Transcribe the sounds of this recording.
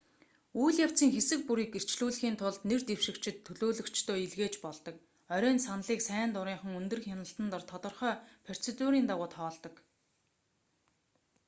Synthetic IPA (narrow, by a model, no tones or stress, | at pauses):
ujɮjaw̥t͡siːŋxesɘ̆k̚puɾiːker̥ʰt͡ɕɮuːɮxiːnt̪ʰʊɮt̪nert̪ewʃɪ̆kt͡ɕʰɪ̆t̪ʰːɵɮoːɮɵ̆kt͡ɕt̪ʰoːiɮɣeːt͡ɕpɔɮt̪ɞ̆k | œɾʲœːnsanə̆ɮiːksæːnt̪ʊɾiːɴχə̆ŋɵnt̪ɵ̆rxʲanə̆ɬt̪ə̆nt̪ɔ̆rt̪ʰɔt̪ɞ̆rχœːpʰar̥t͡set̪ʊɾiːnt̪aʁʊːt̪χɔːɮt̪ɞ̆k